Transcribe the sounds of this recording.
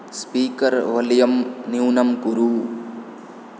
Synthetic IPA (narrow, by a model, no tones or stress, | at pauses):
spiːkɐɾʋɐljɐmniwnɐmkuɾuː